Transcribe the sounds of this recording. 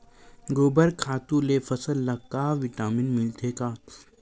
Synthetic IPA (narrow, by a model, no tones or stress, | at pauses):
ɡoːbəɾkʰaːt̪ũlefɐsəlːɐkːaːʋɪʈaːmɪnmɪlt̪ʰeːkaː